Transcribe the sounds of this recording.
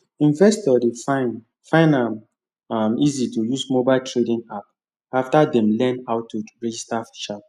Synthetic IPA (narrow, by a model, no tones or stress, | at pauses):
ĩnvɛstɔdefãɪ̃n | fãɪ̃nam | amizitujusmobaɪltʰɹedĩnap̚ | aftadɛ̃mlɛ̃nhaʊtːuɹɛd͡ʒistafi̥t͡ʃa